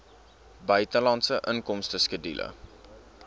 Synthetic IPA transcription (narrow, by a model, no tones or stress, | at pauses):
bœɥtəlɑntsəʔəŋkɔmstəskədḭlʔə̰